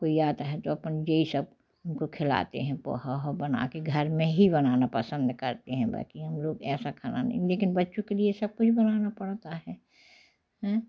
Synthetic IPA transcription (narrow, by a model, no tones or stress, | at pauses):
koːijaːd̪ɦɛt̪oɐpənd͡ʒeisɐb̚ | ʊnkokʰɪla̰ːt̪ḛɦɛ̃pɔ̰ːɦaɦabɐna̰keɡʱɐɾmẽɦibɐnaːnapɐsə̃nd̪kɐɾt̪eɦɛ̃ba̰ːkiɦɐmloːɡɛːsakʰana̰nɛ̰̃leːkɪnbɐtːʃõkeliesɐb̚kʊt͡ʃʰbɐnaːnapɐɽt̪aɦɛː | hɛ̃ː